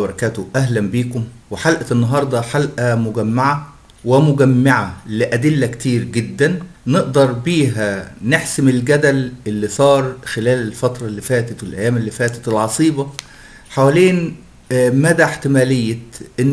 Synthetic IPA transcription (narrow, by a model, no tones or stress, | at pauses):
bɑɾˤɑkæːt̪oʔæɦlæmbiːkʊmwɪħalʔænːɑɦɑɾˤd̪ˤɑħalʔæmʊɡæmːaʕa | wɪmʊɡæmːaʕalɪʔæd̪ɪlːækt̪iːɾɡɪd̪ːænːeʔd̪ɑɾˤbiːɦæneħsɪmɪlɡæd̪ælʔelːisˤɑːɾˤxelæːlelfɑt̪ɾˤɑlːifæːt̪æt̪welʔæjːæːmelːiːfæːt̪æ̥t̪elʕɑsˤiːbɑ | ħawæleːn | mæːd̪æħt̪ɪmæːlɪjːæʔɪnː